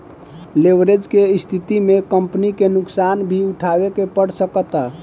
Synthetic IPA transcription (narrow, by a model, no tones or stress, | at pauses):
lebɾed͡ʒkeist̪ʰit̪imekəmpnikenuksanbʱiuʈʰabekepəɽsəkət̪a